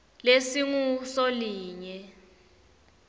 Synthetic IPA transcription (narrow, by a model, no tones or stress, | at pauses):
lesiŋusoliːɲɛ